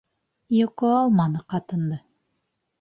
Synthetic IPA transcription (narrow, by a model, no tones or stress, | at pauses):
joqoɑlˠmɑnɤqɑt̪ɤ̆nd̪ɤ